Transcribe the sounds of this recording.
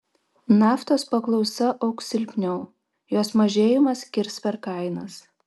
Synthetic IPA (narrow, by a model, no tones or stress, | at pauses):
nɑːft̪oːspɐklˠɒʊsɐʔɒʊksʲɪlʲpʲnʲɛʊ | joːsmɐʒʲeːjɪmɐskʲɪɾspʲɛɾkɐɪnɐs